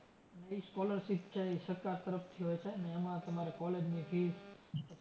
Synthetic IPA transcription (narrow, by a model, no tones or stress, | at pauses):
əniskɔləɾʃipt͡ʃʰeiʃəkːaɾt̪əɾəft̪ʰiɦojt͡ʃʰeneːmãt̪əmaɾekɔled͡ʒnifis